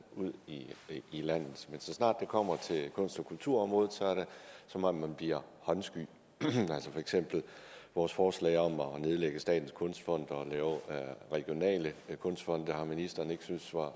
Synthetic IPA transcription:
uð̞̰ˠiilæn̰ð̩ˠmensɒ̽snɑ̈ːd̥e̝kʰɒ̽m̰ɐt͡sʰe̝lkʰɔ̽n̰sd̥ɒ̽kʰult͡sʰuɐ̰ɒ̽mʁo̽ːð̞̩ˠsɒæɐɾ̥esɒ̽mɒmmænb̥liɐ̰hɒ̽nsɡ̥y̰ | ælsəfɒ̽eɡ̥sem̰b̥l̩ʋɒːsfɒːslɛ̰ɪɒ̽mɒne̝ð̞ˠleɡ̥əsd̥ɛ̰ːd̥n̩skʰɔ̽nsd̥fɒ̽n̰d̥ɒlɛːʊʁɛɡ̥jo̝nɛ̰ːləkʰɔ̽nsd̥fɒ̽n̰d̥əhɑ̈minisd̥ɐːne̝ɡ̥əsynsʋɑ̈

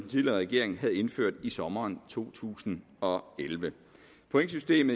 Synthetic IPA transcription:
den̩t͡sʰilʁɛɡ̥e̝̰ɐ̰e̝ŋɦæð̞̩ˠe̝nføɐ̰d̥isɒ̽mɐːnt͡sʰo̝̰ːt͡sʰṵːsn̩ | ɒ̽elʋə | pʰoeŋs̬ysd̥e̝̰ːmð̩ˠ

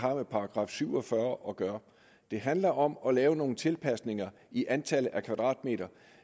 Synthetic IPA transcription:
ɑ̈mepʰɑ̈ɑɡ̥ʁɑ̰̈ːfsyʊ̰ɒ̽fɶɐʔɒ̽ɡ̥ɶɐ | d̥e̝ɦænlɐʔɒ̽mɒ̽lɛːʊno̝ːn̩t͡sʰe̝lpʰæsne̝ŋɐ | iʔænt͡sʰæl̰əð̩ʔækʰʋɑ̈d̥ʁɑ̰̈ːd̥̚me̝̰ːdɾɐ

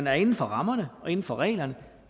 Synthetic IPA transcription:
næɐe̝nn̩fɒ̽ʁɑ̈mɐnəɒ̽e̝nn̩fɒʁɛ̰ːlɐnə

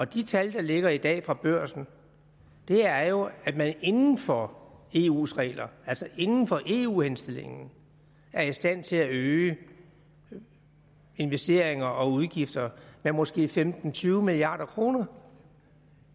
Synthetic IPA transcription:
ɒ̽d̥it͡sʰæld̥ɑ̈le̝ɡ̥ɐid̥ɛ̰ːfʁɑ̈b̥ɶɐ̰sn̩ | d̥e̝æɐɐjo̝æ̥mæne̝nn̩fɒe̝̰ːṵːsʁɛ̰ːlɐælsɐʔe̝nn̩fɒ̽ʔe̝̰ːṵːhensd̥e̝le̝ŋn̩ | æɐisd̥æn̰t͡sʰe̝æøː | e̝nʋesd̥e̝ɐ̰eŋɐʔɒ̽uð̞ˠɡ̥ifd̥ɐmemɒ̽sɡ̥e̝̰ːfemd̥n̩t͡sʰyːʊmiliɑ̰̈ːɾ̥ɐkʰʁo̝ːnɐ

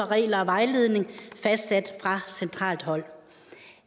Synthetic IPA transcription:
ɒʁɛ̰ːlɐɒ̽ʋɑ̈ɪle̝ð̞ˠne̝ŋfæsd̥sæd̥fʁɑ̈sent͡sʰʁɑ̰̈ːld̥hɒ̽l̰

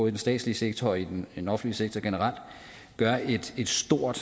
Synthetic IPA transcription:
ðˠdensd̥ɛ̰̥ːsliseɡ̥t͡sʰɒid̥en̥enɒ̽fn̩liseɡ̥̚t͡sʰɒɡ̥e̝nəʁɑ̈l̰d̥ | ɡ̥ɶɐe̝d̥e̝d̥sd̥o̝ɐ̰d̥

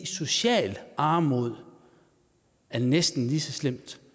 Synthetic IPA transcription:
so̝ɕɛ̰ːlɑ̈ːmo̝ðˠ | æɐnesd̥n̩lisɒ̽slem̰d̥

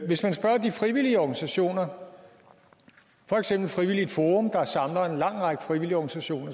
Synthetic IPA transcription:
ʋe̝smænsb̥ɶɐd̥ifʁiʋiliəɒɡ̥nisæɕo̝̰ːnɐ | fɒ̽eɡ̥sem̰b̥l̩fʁiʋilid̥foːʁɔ̽md̥ɑ̈sɑ̈mlɐe̝nlɑ̈ŋ̰ʁɑɡ̥əfʁiʋiliɒɡ̥nisæɕo̝̰ːnɐ

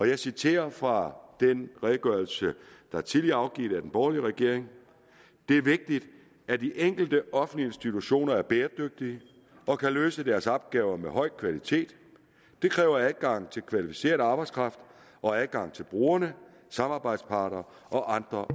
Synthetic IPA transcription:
ɒ̽jɑ̈ɪsit͡sʰe̝̰ːɐfʁɑ̈d̥enʁɛːðˠɡ̥ɶɐl̩səd̥ɑ̈ɐt͡sʰiðliɐɑ̈ʊɡ̥ḭːd̥æd̥enb̥ɒːliəʁɛɡ̥e̝ɐ̰eŋ | d̥e̝æɐʋe̝ɡ̥̚d̥id̥ | æd̥iʔeŋ̰ɡ̥l̩d̥əʔɒ̽fn̩liensd̥it͡sʰuɕo̝̰ːnɐæɐb̥eːɐd̥øɡ̥̚d̥iə | ʔɒ̽kʰæløːsəd̥æɐsɒb̥̚ɡ̥ɛːʊɐmeɦɒ̽ɪ̰kʰʋælit͡sʰe̝̰ːd̥ː | e̝kʰʁɛːʊɐælˠɡ̥ɑ̈ŋ̰t͡sʰe̝lkʰʋælifi̥se̝̰ːɐð̩ˠɑ̈ːb̥ɑ̈ɪd̥skʰʁɑ̈fd̥ | ʔɒ̽ælˠɡ̥ɑ̈ŋ̰t͡sʰe̝lb̥ʁuːɐnə | sɑ̈mɑ̈ːb̥ɑ̈ɪd̥spʰɑ̈ːɾ̥ɐː | ʔɒ̽ʔɑ̈nd̥ʁɐ

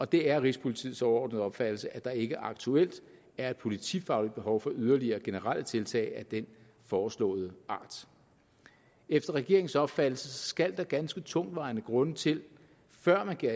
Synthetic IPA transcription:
ɒ̽d̥e̝æɐʁispʰo̝lit͡sʰḭːð̩ˠsɒʊɐɒ̰ːdnð̩ˠɒ̽b̥fæd̥l̩səʔæd̥ɑ̈e̝ɡ̥əʔɑ̈ɡ̥t͡sʰuel̰d̥ | æɐed̥pʰo̝lit͡sʰifɑ̈ʊlid̥̚b̥e̝ɦɒʊfɒ̽ʔyðˠɐliɐːɡ̥e̝nəʁal̰ʔət͡sʰe̝lt͡sʰɛ̰ːɪæd̥en | fɒːslɔ̰̽ːð̞̩ˠəɑ̰̈ːd̥ | efd̥ɐʁɛɡ̥e̝ɐe̝ŋ̩sɒ̽b̥fæd̥l̩səsɡ̥æl̰d̥ɑ̈ɡ̥ænsɡ̥ət͡sʰɔ̽ŋ̰d̥ʋɑ̈ɪnəɡ̥ʁɔ̽nət͡sʰe̝l | fɶɐ̰mænɡ̥

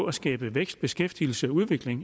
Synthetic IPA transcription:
æsɡ̥ɛːb̥əʋeɡ̥sd̥b̥e̝sɡ̥efd̥il̩səæuð̞ˠʋe̝ɡ̥le̝ŋ

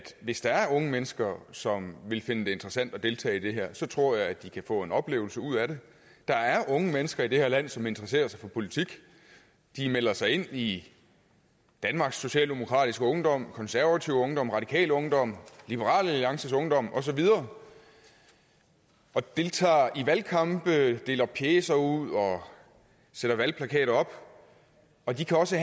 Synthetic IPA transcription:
æd̥ʋe̝sd̥ɑ̈æɐɔ̽ŋəmenəsɡ̥ɐsɒ̽mʋe̝lfe̝nəd̥e̝e̝nd̥ʁɐsæn̰d̥ɒ̽d̥e̝lt͡sʰɛ̰ːid̥e̝ɦeɐ̰sɒ̽t͡sʰʁo̝ɐ̰jɑ̈ɪæd̥ikʰæfɔ̰̽ːe̝nɒ̽b̥le̝ːʊl̩səuð̰ˠæɾ̥e̝ | d̥ɑ̈æɐʔɔ̽ŋəmenəsɡ̥ɐid̥e̝heɐlæn̰sɒ̽me̝nd̥ʁɐs̬e̝̰ːɐsɑ̈ɪfɒ̽pʰo̝lit͡sʰiɡ̥ | d̥imel̰ɐsɑ̈ɪe̝n̰i | d̥ænmɑ̈ɡ̥sːo̝ɕɛ̰ːld̥e̝mo̝kʰʁɑ̰̈ːd̥isɡ̥əɔ̽ŋd̥ɒ̽m̰kʰɒ̽nsæɐʋæt͡sʰiʊ̰ɔ̽ŋd̥ɒ̽m̰ʁɑ̈d̥ikʰɛ̰ːləɔ̽ŋd̥ɒ̽m̰lib̥əʁɑ̰̈ːlæliɑ̈ŋsəsɔ̽ŋd̥ɒ̽m̰ʔɒ̽s̬ɒ̽ʋið̞ˠɐː | ɒ̽d̥e̝lt͡sʰɑ̰̈ːiʋælkʰɑ̈mb̥əd̥e̝ːlɐpʰjeːsɐuð̰ˠɒ̽ | seɾ̥ɐʋælpʰlækʰɛ̰ːɾɐɒ̽b̥ | ɒ̽d̥ikʰæɒ̽sə

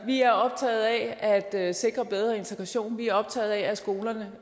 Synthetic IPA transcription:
ʋiæɐɒ̽b̥̚t͡sʰɛ̰ːð̩ˠɛæd̥se̝ɡ̥ʁɐb̥eð̞ˠʁɐe̝nt͡sʰeɡ̥ʁɑɕo̝̰ːnʋiæɐɒ̽b̥̚t͡sʰɛ̰ːð̞̩ˠɛæsɡ̥o̝ːlɐnə

